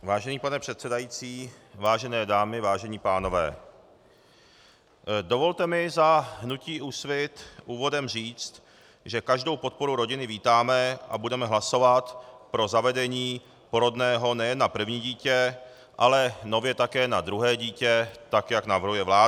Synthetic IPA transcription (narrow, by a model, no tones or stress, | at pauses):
vaːʒɛniːpanɛpr̝̥ɛt̪sɛdajit͡siː | vaːʒɛnɛːdaːmɪvaːʒɛɲiːpaːno̞vɛ̰ː | dovo̞lt̪ɛmɪzaɦnuciːʔuːsvɪt̪ʔuːvo̞dɛmr̝iːt͡st̪ | ʒɛkaʒdo̞wpo̞t̪̚po̞ɾuɾo̞ɟɪnɪviːt̪aːmɛʔa̰budɛmɛɦlaso̞vat̪pɾo̞zavɛdɛɲiː | poɾodnɛːɦo̞nɛjɛnːapr̩vɲiːɟiːcɛ | ʔalɛno̞vjɛt̪akɛːnad̪ɾuɦɛːɟiːcɛt̪akjaknavrɦujɛvlaː